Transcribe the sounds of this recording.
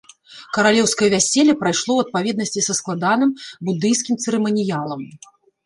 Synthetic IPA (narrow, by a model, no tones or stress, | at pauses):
kɐɾalʲɛwskɐjɐvʲasʲɛlʲːɐpɾajʂlˠɔwɐt̪̚pavʲɛd̪̚nɐsʲt͡sʲisɐsklˠad̪anɨmbud̪ɨjskʲimt̪sɛɾɛmɐnʲijalˠɐm